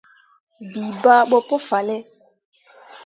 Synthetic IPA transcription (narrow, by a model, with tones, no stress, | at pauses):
bi˨ba˦ɓɔ˦po˦fa˨lɛ˦